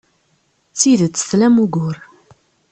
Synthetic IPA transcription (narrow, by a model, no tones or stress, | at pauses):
t͡sːiðt͡sːə̥θlæmuɡʊɾ